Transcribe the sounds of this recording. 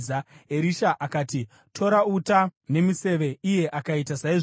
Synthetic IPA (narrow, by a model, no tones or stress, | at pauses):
aeɾiʃaʔakaːti | tʰo̞ɾautane̞mise̞ʋe̞ije̞ʔakaitasaiʐ